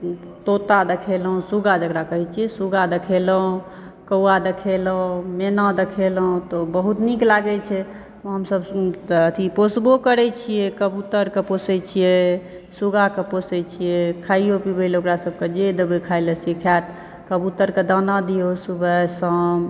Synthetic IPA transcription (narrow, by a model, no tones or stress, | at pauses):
t̪ot̪ad̪ekʰelɦũsuɡad͡ʒəkɾakəɦɛt͡ʃʰijesuɡad̪ekʰelɦũ | kəwad̪ekʰelɦũmenad̪ekʰelɦũt̪obəɦut̪niklaɡɛt͡ʃʰɛ | ɦəmsəbət̪ʰiposbokəɾɛt͡ʃʰijekəbut̪əɾkeposɛt͡ʃʰije | suɡakeposɛt͡ʃʰijekʰaiopibelokɾasəb̚ked͡ʒed̪əbekʰajləsikʰat̪ | kəbut̪əɾked̪ənad̪iosubəsə̃